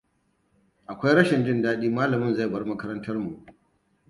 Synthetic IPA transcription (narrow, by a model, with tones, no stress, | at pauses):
ʔa˨kʷa˦jɾɐ˦ʃɪ˨nd͡ʒɪ˦˨ndaː˦ɗiː˦maː˦lɐ˨mɪ˦nza˦˨bɐ˦rmɐ˦kɐ˦ɾɐ˦ntɐ˦rmu˨ʔ